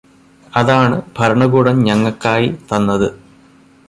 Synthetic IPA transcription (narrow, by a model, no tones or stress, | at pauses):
ɐðaːɳɨbʱɐɾɐɳɐɡuːɽɐmɲɐŋːɐɭkːaːjit̪ɐnːɐðɨ